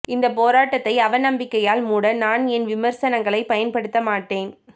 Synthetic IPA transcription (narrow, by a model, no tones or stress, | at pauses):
ɪnd̪ɐpoːɾaːʈːɐt̪ːɐɪɐʋɐnɐmbɪkːɐjaːlmuːɽɐnaːnɛnʋɪmɐɾsɐnɐŋɡɐɭɐɪpɐjɐnpɐɽɯt̪ːɐmaːʈːeːn